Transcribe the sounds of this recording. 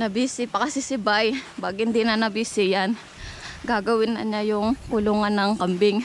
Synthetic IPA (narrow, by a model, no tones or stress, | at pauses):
nɐbisɪpɐkɐsɪsɪbajbaɡhɪnd̪inɐnɐbisɪjan | ɡaɡɐwɪnːɐ̰ɲajʊŋkʊluːŋanːɐŋkɐmbɪŋ